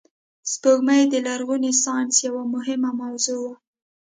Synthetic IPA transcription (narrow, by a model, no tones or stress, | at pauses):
spoɡmajd̪əlaɾɣunesɑnsjawamʊɦɪmamawzowa